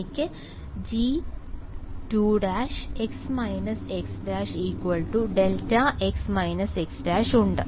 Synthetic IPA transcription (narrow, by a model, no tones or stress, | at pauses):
ikʲːɨ | d͡ʑi | ʈuːɽaːʃeksmɐjnɐseksʈaːʂiːkʋɐlʈuɖeltaʔeksmɐjnɐseksʈaːʂuɳɖɨ